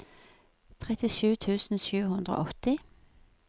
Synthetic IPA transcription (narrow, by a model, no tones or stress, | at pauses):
t̪ʰʁɛt̪ɪʃʉːt̪ʰʉːsn̩ʃʉːhʉnd̪ʁo̰ːʔɔt̪ɪ